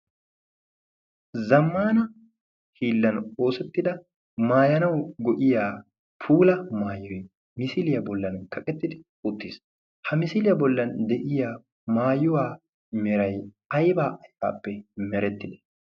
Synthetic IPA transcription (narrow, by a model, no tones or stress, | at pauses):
zɐmːaːnɐ | hiːlːɐno̞ːsɛt̪ːɪd̪ɐ | maːjɐnɐwɡɔʔɪjaː | pʰuːlɐmaːjɔjɛ | mɪsɪlɪjɐbɔlːɐnkɐkʼɛt̪ːɪd̪ɪ | ʊt̪ːiːs | hɐmɪsɪlɪjɐbɔlːɐnd̪ɛʔɪjaː | maːjʊwaː | mɛɾɐj | ɐjbaːʔɐjfa̰ːpːɛmɛɾɛt̪ːɪd̪ɛ̥